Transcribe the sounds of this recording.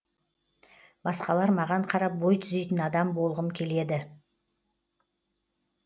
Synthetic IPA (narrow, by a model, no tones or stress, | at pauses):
bɑsqɑlˠɑɾmɑʁɑɴqʰɑɾɑp̚bo̞jt̪ʰʏzejt̪ɪnɑd̪ɑmbo̞lˠʁəmkʲʰe̞le̞d̪ɪ